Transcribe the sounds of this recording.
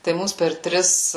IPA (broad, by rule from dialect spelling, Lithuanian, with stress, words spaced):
tɐɪ ˈmuːs pʲɛr ˈtʲrʲɪs